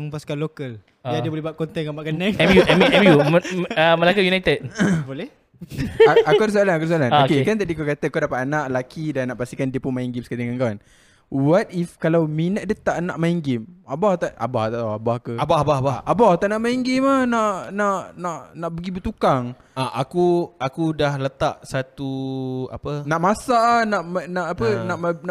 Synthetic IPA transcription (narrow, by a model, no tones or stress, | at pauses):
ŋpaskalokəl | adəbolehbaʔkɔnt̪ɛnkabaʔkanɛŋɛmjuʔɛmʔɛmjuəməlakajunajt̪ɛd̚bolɛh | akɔds̬oalanakɔɾsoalanokekant̪aʔdikakat̪əkadapat̪anaʔlakidanːaʔpast̪ikandiəpʊnmajiŋɡimsə̥kat̪iŋankawan | wat̪̚ifkalawminaʔdət̪aʔnaʔmaiŋɡɪmabaht̪aʔa̰baht̪aʔaabahkəbahbahbaabaht̪aʔnaʔmaiŋɡimahnaʔnaʔnaʔnaʔbəɡibət̪ukaŋ | aʔakuakudahlət̪aʔsat̪ua̰pənaʔmasaʔnaʔmənaʔapənaʔməna